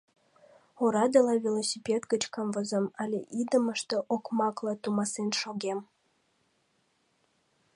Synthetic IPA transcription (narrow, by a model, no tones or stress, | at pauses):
oɾɑd̪elɑvʲelˠosʲipʲet̪kət͡ɕkɑmvəzəmɑlʲḛʔid̪əmə̆ʃt̪ə̆ʔokmɑklˠɑt̪umɑsenʃoɡem